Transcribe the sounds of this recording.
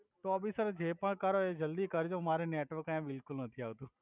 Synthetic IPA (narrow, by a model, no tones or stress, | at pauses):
t̪oɐbisəɾd͡ʒeːpəɽ̃kəɾoeːd͡ʒəld̪ikɐɾd͡ʒomaːɾeneːʈʋəɾkːãbɪlkʊlnət̪ʰiaːʋt̪ũː